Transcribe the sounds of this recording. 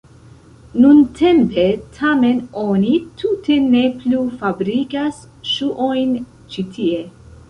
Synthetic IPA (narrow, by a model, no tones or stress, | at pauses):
nuntʰe̞mpe̞tʰame̞nonitʰute̞ne̞plufabɾikas | ʃuʔojn | t͡ʃitʰie̞